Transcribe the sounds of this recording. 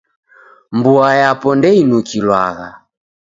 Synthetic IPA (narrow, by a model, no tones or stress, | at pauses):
mbuajapɔndɛinukilwaɣa